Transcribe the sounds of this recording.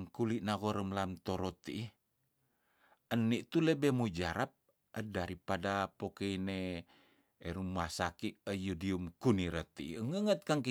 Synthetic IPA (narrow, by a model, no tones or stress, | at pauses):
ŋkuliʔnaɣoɾəmlamt̪oɾot̪i | ənːiʔt̪ulebemud͡ʒaɾap̚ | ədaɾipadapokeine | eɾumuasakiəjudiumkuniɾət̪iəŋəŋət̪̚kaŋk